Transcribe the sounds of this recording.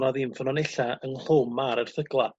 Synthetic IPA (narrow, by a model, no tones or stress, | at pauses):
nɔðɪnfənɔneɬaənɬoːmːaɾər̥θəɡlˠa